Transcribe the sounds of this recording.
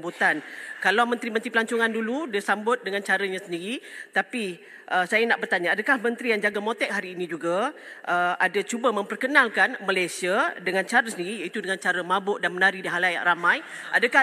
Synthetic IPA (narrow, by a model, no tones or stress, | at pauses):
but̪ankalawmənt̪ɾimə̃nt̪ɾipəlaɲt͡ʃʊŋanduludisambʊt̪̚dəŋant͡ʃaɾəɲasəndiɾit̪api | ʔəsajanaʔbərt̪aɲaadəkahmə̃nt̪ɾijaŋd͡ʒaɡamot̪ɛʔ̚ɦaɾiːnĩd͡ʒuɡaʔəadat͡ʃubamə̃mpərkənalkanməlajsiadəŋãnt͡ʃaɾəsəndiɾijait̪udəŋant͡ʃaɾəmãbʊʔdanmənaɾidiɦalaja̰ʔramãj | ʔadəka